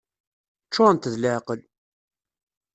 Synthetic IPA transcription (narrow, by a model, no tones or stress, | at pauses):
t͡ʃːʊʁənt̪ðləʕqəl